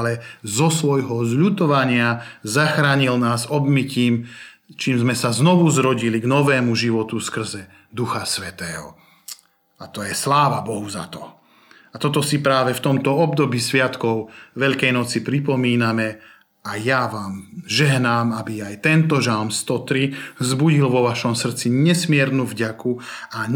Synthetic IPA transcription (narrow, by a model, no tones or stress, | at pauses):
lɛzɔsʋɔjɦɔzʎut̪ɔʋaɲɪazaxɾaːɲilnaːzɔbmiciːmt͡ʃiːmzmɛsaznɔʋuzɾɔɟiliɡnɔʋɛːmuʒiʋɔt̪uskr̩zɛ | d̪uxasʋɛt̪ɛːɦɔ̰ | at̪ɔjɛslaːʋabɔɦuza̰t̪ɔ̰ | at̪ɔt̪ɔsipɾaːʋɛft̪ɔmt̪ɔɔb̚d̪ɔbisʋɪat̪kɔʊʋɛʎkɛjnɔt͡sipɾipɔmiːnamɛ | ajaʋaːmʒɛɦnaːmabiajt̪ɛnt̪ɔʒalmst̪ɔt̪ɾivzbuɟilʋɔʋaʃɔmsr̩t͡siɲɛsmɪɛɾnuvɟakua